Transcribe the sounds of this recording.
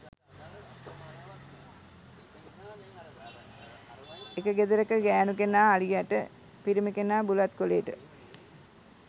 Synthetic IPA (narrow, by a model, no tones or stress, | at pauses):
ekəɡed̪əɾəkəɡæːnukenaːlijaʈə | piɾiməkenaːbulat̪koleːʈə